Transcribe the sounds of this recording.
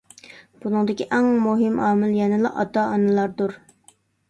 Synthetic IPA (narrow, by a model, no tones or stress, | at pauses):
b̥unɨŋd̪ɪkʲiʔɛŋmuɦɪmʔɑːmɪlˠjɛnɪlˠɑ̰ʔɑ̰t̪ɑɑnɨlˠɑɾd̪uɾ